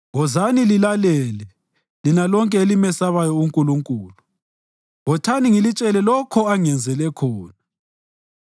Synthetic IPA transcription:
ɣɔzanililalɛːlɛ | linalɔŋkʼɛelimɛsaβajɔuŋkʼuluŋkʼuːlu | ɣɔtʰaniŋilit͡ʃʼɛlɛlɔkʰɔaŋɛnd͡zʱɛlɛkʰɔːna

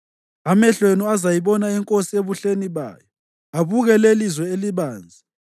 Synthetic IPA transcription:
amɛɬwenuazajiβɔnaɛŋkʼosieβuɬeniβa̰ːjɔ | aβuɣɛlelizwɛeliβaːnd͡zʱi

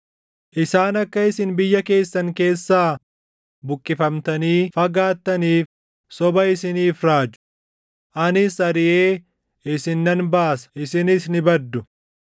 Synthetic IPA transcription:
ʔɪsaːnɐkːɐɪsɪnbɪjːɐke̞ːsːɐŋke̞ːsːaː | bʊkʼːɪfɐmt̪ɐniːfɐɡaːt̪ːɐniːf | sɔbɐɪsɪniːfɾaːd͡ʒʊ̥ | ʔɐnɪsɐɾɪʔeː | ɪsɪnːɐnbaːsɐ̥ɪsɪnɪsnɪbɐd̪ːʊ

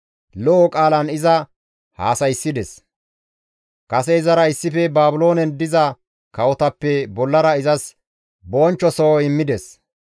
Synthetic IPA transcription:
lɔʔɔkʼaːlɐnɪzɐ | ha̰ːsɐjsːɪd̪ɛs | kɐsɛɪzɐɾɐɪsːɪfɛbaːbʊlo̞ːnɛnd̪ɪzɐ | kɐwɔt̪ɐpːɛbɔlːɐɾɐɪzɐs | boːnt͡ʃːɔsowɪmːɪd̪ɛs

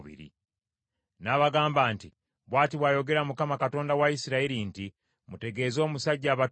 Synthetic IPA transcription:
βḭɾḭ | naːβaɡaːmbaːnti | βwaːtiβwaːjo̞ɡe̞ɾamukamakato̞ːndawaisiɾaiɾinti | mute̞ɡe̞ːzo̞ːmusaɟːaːβa

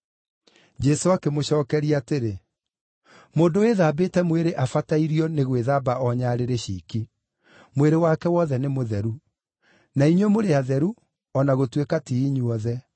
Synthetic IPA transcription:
d͡ʒɛsoakemoɕɔːkɛɾiateɾe | moːndoweðaːbetɛmweɾeʔafataiɾiɔneɣweðabaɔɲaɾeɾeɕḭːki | mweɾewakɛwɔðɛnemoðɛɾu | naiɲwemoɾeaðɛɾu | ɔnaɣotwekatiːɲuɔðɛ

